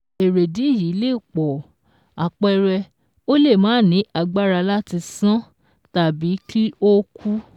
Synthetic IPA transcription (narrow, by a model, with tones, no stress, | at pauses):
e˨ɾe˨di˨˦i˦˨ji˨˦le˦˨k͡pɔ˨ | a˨k͡pɛ˧ɾɛ˧ | o˦le˦˨mãː˨˦˨nĩ˨˦ʔa˧ɡ͡ba˦ɾa˧la˦ti˧sã˦ | ta˨bi˨˦kʰi˦o˦kʰu˦